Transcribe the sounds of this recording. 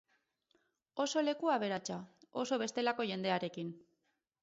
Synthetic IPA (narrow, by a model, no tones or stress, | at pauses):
o̞so̞le̞kuaβ̞e̞ɾat͡ʃao̞so̞β̞e̞st̪e̞lako̞ʝe̞nd̪e̞aɾe̞kin